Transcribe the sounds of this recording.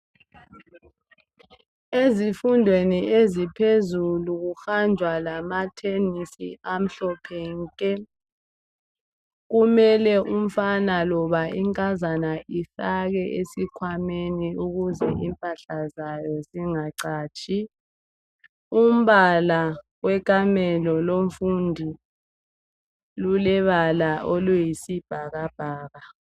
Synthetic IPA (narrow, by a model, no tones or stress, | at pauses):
ezifundʱweniezipʰezuluɣuxand͡ʒʱwalamatʰenisḭam̩ɬɔpʰɛŋkʼɛ | ɣumɛlɛʔum̩fanalɔβaʔiŋkʼazanaʔifaɣɛʔesikʰwameniuɣuzɛʔimpʼaɬazajɔziŋaǀaːt͡ʃʼi | um̩βala | wɛkʼamɛlɔloɱfundʱi | lulɛβalaʔolujisib̥ʱaɣab̥ʱaːɣa